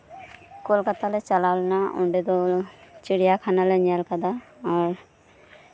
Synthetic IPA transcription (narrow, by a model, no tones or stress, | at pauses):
kolkat̪alet͡ʃalalnaṵɳɖed̪olt͡ʃiɽijakʰanaleɲalkad̪aɔɾ